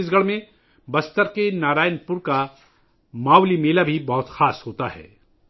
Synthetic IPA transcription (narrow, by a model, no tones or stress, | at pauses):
ɪsɡəɭmẽ | bɐst̪əɾkenaːɾaːɪnpʊɾka | maːwlimeːlabʱibɐɦʊt̪xaːsɦoːt̪aɦɛ̰ː